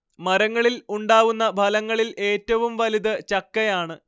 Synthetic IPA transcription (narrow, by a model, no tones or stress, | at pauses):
mɐɾɐŋːɐɭiluɳɖaːʋunːɐbʱɐlɐŋːɐɭile̞ːtːɐʋumʋɐliðɨt͡ɕɐkːɐjaːɳɨ